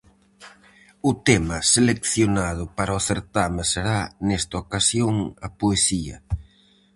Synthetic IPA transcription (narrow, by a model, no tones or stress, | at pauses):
ʊt̪emɐselekθjonað̞ʊpaɾɐʊθeɾt̪amɐseɾanɛst̪ɐokasjoŋɐpoesiɐ̰